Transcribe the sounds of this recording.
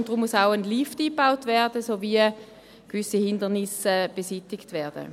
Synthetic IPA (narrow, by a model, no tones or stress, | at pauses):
nd̥ʁʊmːusaʊənliftiːbaʊtvɛɐd̥əsoːvi | kvʏsihɪndənɪsəb̥esitɪktvɛːɐd̥ə̰